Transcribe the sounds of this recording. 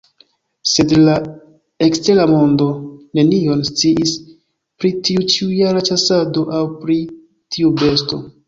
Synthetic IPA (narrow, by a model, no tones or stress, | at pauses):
se̞dla | e̞kste̞lamo̞ndo̞ne̞nio̞nst͡siʔis | pɾitiut͡ʃiujaɾat͡ʃasadoʔawpɾi | tʰiube̞sto̞̰